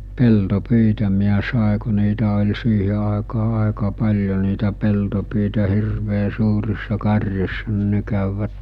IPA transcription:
peltopyitæ miæ sɑˑe ku niːtæ olʲ siːhe ɑˑekɑː ɑˑekɑ pɑlʲjo niːtæ peltopyitæ hirʋeː suːrisːɑ kɑrʲjosːɑ ni ne kæˑyʋːæt

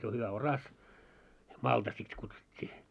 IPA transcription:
jo hyʋæ orɑs mɑltɑ sit kutsutʲːiː

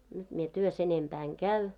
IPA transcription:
nyt mie tyøs enempæː eŋ kæy

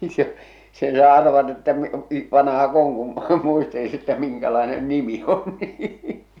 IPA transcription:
se sen sɑː ɑrʋɑtɑ etːæ m i ʋɑnɑhɑk oŋ kun muistelis etːæ miŋkælɑenen nimi on niː

